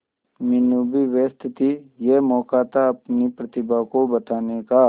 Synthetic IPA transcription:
mɪnubiʋeːst̪ʰɪt̪ijemɔːkaːt̪aɐpnipɾɐt̪ɪbakobɐt̪aːneka

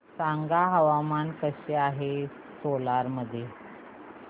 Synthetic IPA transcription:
saŋɡaɦəʋamankəɕeaɦe | solaɾməd̪ʱje

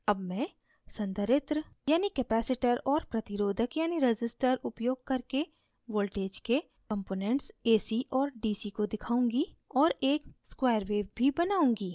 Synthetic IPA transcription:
ɐbmɛ̃ː | sɐ̃nt̪əɾɪt̪ɾəjaːnikɛpɛːsɪʈəɾɔːɾpɾɐt̪ɪɾoːd̪ʱəkjaːniɾɪd͡ʒɪsʈəɾʊpjoːɡ̚kɐɾke | ʋoːlʈeːd͡ʒke | kɐ̃mpoːnɛ̃ɳʈseːsiʔɔːɾɖiːsikod̪ɪkʰaːũːŋɡi | ɔːɾeːkskwaːjəɾʋeːʋbʱibɐnaːũːŋɡiː

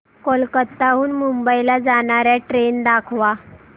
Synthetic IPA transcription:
kolkət̪ːaɦuːnmumbəilad͡zaɳ̃aɾjaʈɾend̪akʰʋa

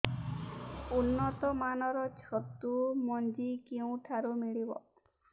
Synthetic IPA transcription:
unːɔt̪ɔmanɔɾɔt͡ʃʰɔt̪ːumɔnd͡ʒikeũʈʰaɾumiɭibɔ̰

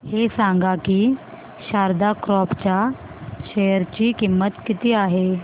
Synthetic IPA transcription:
hesãŋɡakiː | ɕaɾd̪akɾɔpt͡ɕja | ɕejəɾt͡ɕiːkimːət̪kit̪iːaɦe

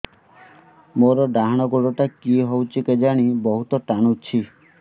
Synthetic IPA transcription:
moɾɔɖaɦaɽ̃ɔɡoɽɔʈakiɦowt͡ʃʰiked͡ʒaɽ̃ibɔɦut̪ɔʈaɽ̃ut͡ʃʰi

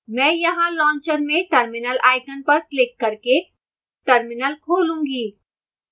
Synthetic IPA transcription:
mɛ̃ːjɐɦãlɔ̃ːɲt͡ʃəɾmẽʈəɾmɪnəlʔaːɪkənpɐɾklɪkːɐɾke | ʈəɾmɪnəlkʰoːlũːɡiː

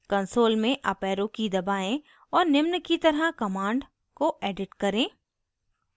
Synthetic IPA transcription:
kɐ̃nsoːlmẽʔɐpɛːɾõkid̪ɐbaːẽ | ɔːɾnɪmnəkit̪ɐɾɦəkɐmaːɳɖ | koʔeːɖɪʈkɐɾẽː

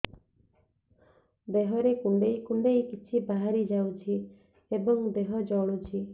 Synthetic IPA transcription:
d̪eɦɔɾekuɳɖejkuɳɖejkit͡ʃʰibaɦaɾid͡ʒawt͡ʃʰi | ebɔŋd̪eɦɔd͡ʒɔɭut͡ʃʰi

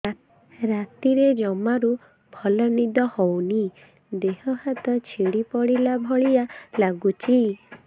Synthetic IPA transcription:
ɾat̪iɾed͡ʒɔmaɾu | bʱɔlɔnid̪ɔhɔwni | d̪eɦɔhat̪ɔt͡ʃʰiɽipɔɽilabʱɔɭialaɡut͡ʃʰi

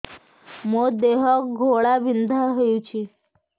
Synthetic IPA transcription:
mod̪eɦɔk̚ɡʱoɭaʋind̪ʱaɦəjut͡ɕʰi

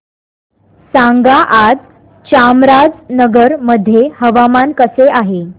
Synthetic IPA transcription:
sãŋɡaʔad͡z | t͡ɕamɾad͡znəɡəɾməd̪ʱːjehəʋamankəseaɦe

